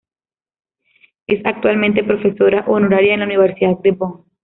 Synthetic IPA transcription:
esak̚t̪walmẽnt̪̬epɾo̞fesoɾaʔonoɾaɾjaenlauniβeɾsiðad̪̚d̪eboŋ

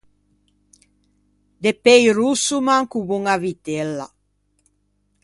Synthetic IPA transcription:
d̪epejɾusumaŋkubuŋavit̪elːa̰

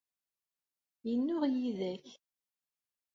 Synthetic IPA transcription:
jənːʊʁjiðæç

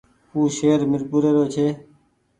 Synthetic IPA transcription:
uːʃeːɾmɪɾpuːɾeːɾoːt͡ʃʰeː

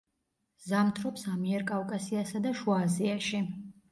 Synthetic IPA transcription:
zamt̪ʰɾɔpsamiɛɾkʼafkʼasiasad̪aʃuaːziaʃi

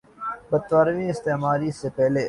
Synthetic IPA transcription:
bɐd̪̚t̪ʋaːɾʋĩɪst̪eːmaːɾisepɛɦle

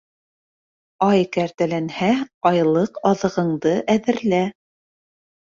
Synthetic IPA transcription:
ɑjkæɾt̪ælænhæɑjlˠɤqɑðɤ̆ʁɤ̆ɴd̪ɤʔæðɘ̆ɾlæ

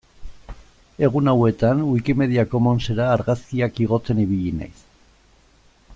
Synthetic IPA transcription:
e̞ɣ̞unawe̞t̪anuikime̞ðiako̞mo̞nse̞ɾaːɾɣaskiakiɣo̞t͡se̞niβ̞iʎina̰js

